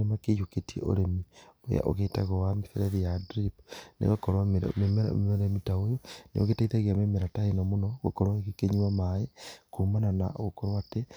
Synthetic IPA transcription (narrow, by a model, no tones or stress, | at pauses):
emakejuketiḛo̰ɾemio̰ja̰ʔo̰ɣetaɣowamifeɾeðijadɾipnḛɣakoɾwammemoɾemitaojonḛo̰ɣetaiðaɣiamemeɾataenomunoɣo̰koɾwaɣekeɲiamaekumananaoɣokoɾwate